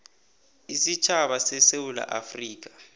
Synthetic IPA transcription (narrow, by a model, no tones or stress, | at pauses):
isit͡ʃʰaɓasɛsewula̰ʔafriːk̬ḁ